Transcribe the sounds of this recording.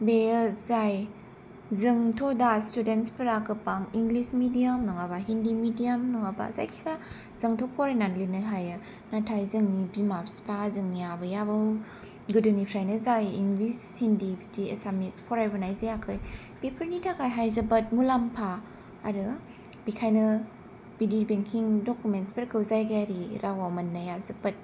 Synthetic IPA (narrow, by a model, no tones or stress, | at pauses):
beɯzaj | zɯŋtʰɔdastudentspʰɯɾakʰɯpaŋiŋɡlismidijamnɔŋabaɦindimidijamnɔŋaba̰za̰jksa | z̥ɯŋtʰopʰɔɾananlinɯjɦajɯ | natʰajzɯŋibimapspʰazɯŋjabɯjabɯw | ɡɯdɯnipʰɾajnɯzajiŋɡlishindibidiḛsamispʰɔɾajbɯnajzajakʰɯj | pipʰəɾnitʰakajɦajzɯbɐt̚mulampʰaː | ɾɯ | bikʰajnɯ | b̥idibeŋkʰiŋdokumentsbeɾkʰɯwzajɡajaɾiɾʔawawmɐnːajazɯbɐt̚